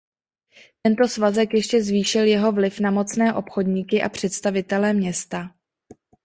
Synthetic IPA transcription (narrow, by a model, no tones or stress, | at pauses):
t̪ɛnt̪o̞svazɛkjɛʃcɛzviːʃɪljɛɦo̞vlɪfnamo̞t͡snɛːʔo̞pxo̞dɲikɪʔa̰pr̝̥ɛt̪st̪avɪt̪ɛlɛmɲɛst̪a